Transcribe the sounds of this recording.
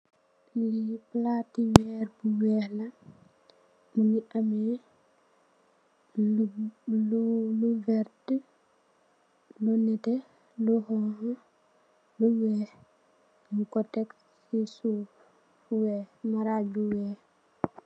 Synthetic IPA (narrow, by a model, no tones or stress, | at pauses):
liplatiwɛɾbuwɛla | nuniʔamɛ | luvɛɾd | lɔnɛtɛ | lɔhɔɦɔ | luwɛ | iŋkɔtɛkː | isu | wɛmaɾad͡ʒuwɛ